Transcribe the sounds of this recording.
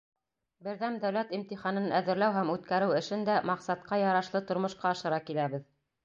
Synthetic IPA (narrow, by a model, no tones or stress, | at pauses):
bɘ̆ɾðæmd̪æwlæt̪imt̪iχɑnɤnæðɘ̆ɾlæwɦæmʉt̪kæɾɘwɘ̆ʃɘnd̪æmɑqsɑt̪̚qɑjɑɾɑʃlˠɤt̪ŏɾmŏʃqɑɑʃɤ̆ɾɑkilæβɘð